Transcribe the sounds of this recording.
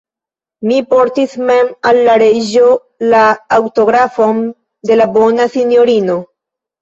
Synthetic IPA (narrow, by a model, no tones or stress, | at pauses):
mipo̞ɾtisme̞malːaɾed͡ʒo̞ | laːwto̞ɡɾafo̞n | de̞labo̞nasinjo̞ɾino̞